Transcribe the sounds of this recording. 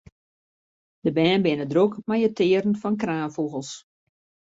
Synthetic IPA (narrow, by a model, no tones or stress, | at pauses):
dəbɛːnbɪnədrukmajətɪəɾn̩fɔnkraːnfuɣəlˠs